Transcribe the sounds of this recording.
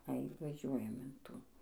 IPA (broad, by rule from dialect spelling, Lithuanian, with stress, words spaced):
ɐɪ ʋɐˈʒʲuɔjɛm ɪn ˈtuː